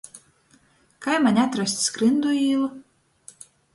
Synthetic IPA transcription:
kajmanʲat̪ɾɔsʲt̪ʲskɾɨnd̪uiːlˠ

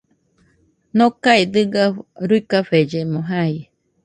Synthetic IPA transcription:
nõkaid̪ɨɡaɾuikaɸed͡ʒemoɦai

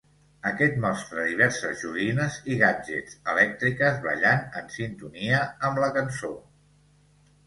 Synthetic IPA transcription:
əkɛt̪mɔst̪ɾəðiβ̞ɛɾsəzʒuɣinəziɣ̞ad͡ʒḛsəlɛk̚t̪ɾikəzβə̰ʎanənsint̪uniəːmləkənso

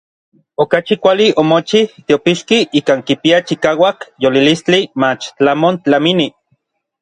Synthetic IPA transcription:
okat͡ʃikʷaliomot͡ʃiht̪eopiʃkiikaːŋkipiat͡ʃikaːwakjolilist͡ɬimat͡ʃt͡ɬamont͡ɬamini

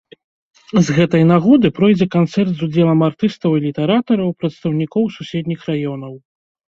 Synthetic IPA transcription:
zɣɛt̪ɐjnaɣɔd̪ɨpɾɔjd͡zʲɛkant̪sɛrt̪zud͡zʲɛlˠɐmart̪ɨst̪ɐwilʲit̪ɛɾat̪ɐɾɐwpɾɐt̪st̪ɐwnʲikɔwsusʲɛd̪ʲnʲixrajɔnɐw

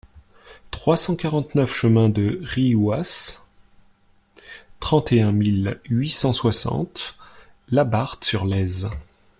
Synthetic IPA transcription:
t̪χwasɑ̃kaʁɑ̃t̪nœfʃəmɛ̃d̪əʁiwas | t̪χɑ̃t̪eɛ̃milɥisɑ̃swasɑ̰̃t̪ | labaʁt̪syʁlɛz

